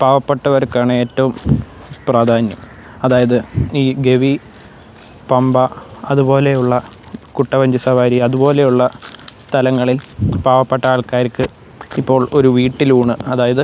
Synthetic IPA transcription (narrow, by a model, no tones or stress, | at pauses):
paːʋɐpːɐʈːɐʋɐɾkːaːɳɨe̞ːtːɐʋum | praːd̪ʱaːnjɐm | ɐðaːjɐðɨiːɡe̞ʋi | pɐmbɐɐðubo̞ːle̞juɭːɐ | kuʈːɐʋɐɲd͡ʑisɐʋaːɾiɐðubo̞ːle̞juɭːɐst̪ʰɐlɐŋːɐɭilpaːʋɐpːɐʈːɐaːɭkaːɾkːɨ | ipːo̞ːɭo̞ɾuʋiːʈːiluːɳɨɐðaːjɐðɨ